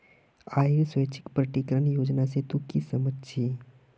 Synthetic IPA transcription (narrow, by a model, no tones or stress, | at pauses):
aiɾsʋəjt͡ʃɪ̥kpɾəʈikɾəɳjod͡ʒnaset̪ukisəmətːt͡ʃʰi